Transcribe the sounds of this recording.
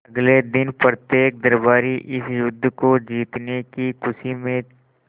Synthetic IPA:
ɐɡled̪ɪnpɾət̪jeːk̚d̪ɐɾbaːɾiʔɪsjʊd̪ʱːkod͡ʒiːt̪nekikʰʊsimẽ

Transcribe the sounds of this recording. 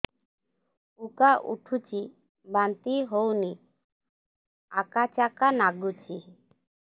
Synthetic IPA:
ukaʔṵʈʰut͡ʃi | bant̪iɦowni | a̰kat͡ʃakanaɡut͡ʃi

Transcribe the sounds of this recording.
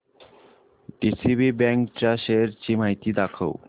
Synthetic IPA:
ɖisibibɛŋkt͡ɕaʃeɾt͡ɕimajt̪id̪akʰaw

